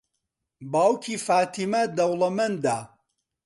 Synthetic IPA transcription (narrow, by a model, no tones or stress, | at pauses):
baːwkʰiːfaːt̪ʰimɐd̪ɐwlɐmɐnd̪aː